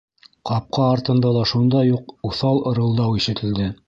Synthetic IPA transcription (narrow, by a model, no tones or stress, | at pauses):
qɑp̚qɑːɾt̪ɤ̆nd̪ɑlˠɑʃund̪ɑjuquθɑlˠoɤ̆ɾɤ̆lˠd̪ɑwiʃɘ̆t̪ʰɘ̆ld̪ɘ